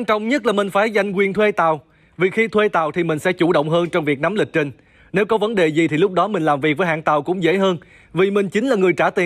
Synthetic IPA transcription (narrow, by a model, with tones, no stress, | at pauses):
nt͡ɕɔ̰˧˨wŋ͡mɲə˦˥t̚laː˨˩mï˨˩ŋ̟faː˧˩jza˧jŋ̟kwi˨˩ənt̪ʰwe˧t̪aː˨˩w | vi˨˩xi˧t̪ʰwe˧t̪aː˨˩wt̪ʰi˨˩mï˨˩ŋ̟sɛ̰˧˥t͡ɕu˧˩ɗə̰˧˨wŋ͡mɦəː˧nt͡ɕɔ˧wŋ͡mvi˨˩ək̚na˨˦mlï˨˩k̟̚t͡ɕi˨˩ŋ̟ | ne˨˦wkɔ˨˦və˨˦nɗe˨˩zi˨˩t̪ʰi˨˩lʊ˦˥k͡p̚ɗɔ˨˦mï˨˩ŋ̟laː˨˩mvi˨˩k̚vəː˨˦jɦa̰ː˧˨nt̪a˨˩wkʊ̰˧˥ŋ͡mzḛ˧˥ɦəː˧n | vi˨˩mï˨˩ŋ̟t͡ɕï˨˦ŋ̟laː˨˩ŋɨ˨˩əjt͡ɕaː˧˩t̪i˨˩